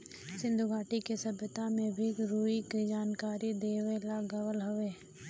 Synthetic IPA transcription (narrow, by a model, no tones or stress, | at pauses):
sɪ̃nd̪ʱuɡʱaːʈikesɐbət̪amẽbʱiɾuːikd͡ʒaːnkaːɾid̪eːʋelaɡəwəlɦʊʋeː